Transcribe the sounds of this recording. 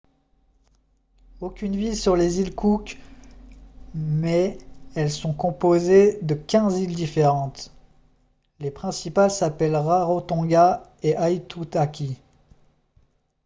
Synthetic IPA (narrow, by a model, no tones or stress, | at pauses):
okʲynvilsyʁlezilkʰukʲ | mɛɛlsɔ̃kɔ̃pozed̪əkʲɛ̃zild̪ifeʁɑ̃t̪ | lepχɛ̃sipalsapɛlʁaʁot̪ɔ̃ɡaeʔajt̪ut̪akʲʰi